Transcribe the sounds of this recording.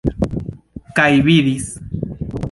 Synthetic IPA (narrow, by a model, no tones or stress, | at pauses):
kajβiðis